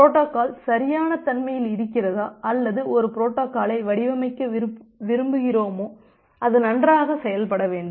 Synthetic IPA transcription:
pɾoːʈːoːkaːlsɐɾɪjaːnɐt̪ɐnmɐjɪlɪɾɯkːɪrɐðaːʔɐlːɐðɯʔɔɾɯpɾoːʈːoːkːaːlɐɪʋɐɽɪʋɐmɐɪkːɐʋɪɾɯmbɯɣɪroːmoː | ɐðɯnɐndraːɣɐsɛjɐlpɐɽɐʋeːɳɖɯ

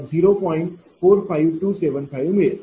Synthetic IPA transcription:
ziːɾopɔ̃ːɪ̃ɳʈ | fʰoːɾpʰaːɪʋʈuːseːʋənt̪ʰaːjũʋmẽ

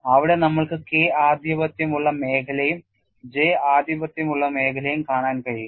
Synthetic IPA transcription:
ɐʋiɽe̞nɐmːɐɭkɨkeːaːd̪ʱjɐbɐt̪jɐmuɭːɐme̞ːkʰɐlɐjum | d͡ʑeːaːd̪jɐbɐt̪jɐmuɭːɐme̞ːkʰɐlɐjumkaːɳaːnkɐɻi

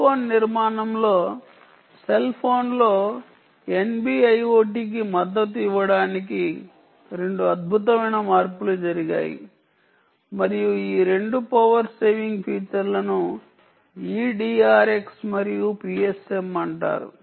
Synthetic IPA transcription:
oːnːiɾmaːnɐmlo̞ː | se̞lpʰo̞ːnlo̞ː | e̞nbiːɐjoːʈ̬iːk̬imɐd̪ːɐt̪iʋːɐɽaːniki | ɾe̞ɳɖuɐd̪̚bʱut̪ɐmɐjnɐmaːɾpulud͡ʒɐɾiɡa̰ːjḭ | mɐɾijuiːɾe̞ɳɖupɐʋɐɾse̞ːʋiŋɡpʰiːt͡ʃɐɾlɐnu | iːɖiːaːɾe̞ksmɐɾijupiːese̞mɐɳʈa̰ːɾṵ

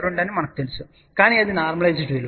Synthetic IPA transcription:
ɾuɳɖaːnɨmɐɳɐkːɨt̪elisu | kaːɳiɐðinaːrmɐɭɐjd͡ʑiʈːuilːɐ

